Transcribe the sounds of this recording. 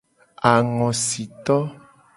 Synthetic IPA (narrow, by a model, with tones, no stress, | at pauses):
a˨ŋɔ̃˨si˨t̪ɔ˦